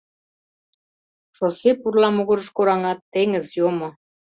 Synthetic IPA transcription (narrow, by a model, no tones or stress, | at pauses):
ʃosepurlɑmuɣɤ̆ɾə̆ʃkoɾɑŋɑt̪ːeŋə̆zjomŏ